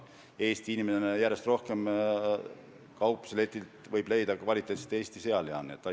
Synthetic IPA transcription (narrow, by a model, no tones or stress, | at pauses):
e̞ːst̪iinimenenejæɾest̪ro̞hke̞m | kɑwpːˑselet̪ʲˑːilt̪vɤjble̞jd̪̥ɑkvɑlʲit̪ːˑet̪se̥t̪e̞ːst̪ise̞ɑleɑnːet̪ːˑɑ